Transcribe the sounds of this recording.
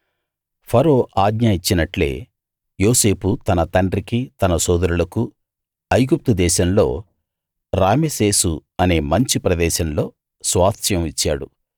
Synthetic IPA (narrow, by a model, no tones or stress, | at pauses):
pʰɐɾo̞ːʔaːɡɲaːjit͡ʃːinɐʈle̞̰ː | joːse̞ːput̪ɐnɐt̪ɐɳɖɾikit̪ɐnɐsɔːd̪ɐɾulɐku | ɐjɡup̚t̪ud̪ɛːʃɐmlo̞̰ː | ɾaːmese̞ːsuɐne̞ːmɐɲt͡ʃipɾɐd̪ɛːʃɐmlo̞ː | sʋaːt̪jɐmit͡ʃːaːɽu